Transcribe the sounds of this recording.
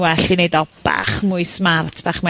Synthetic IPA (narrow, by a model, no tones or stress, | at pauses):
wɛɬinejdɔb̥a̰χmʊɨsmartʰb̥aːχma